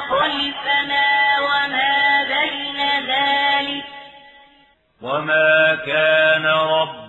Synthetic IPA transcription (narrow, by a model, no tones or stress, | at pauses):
ɑlfanaːwamaːbajnaðaːlɪk̚ | wamaːkaːnaɾˤɑbː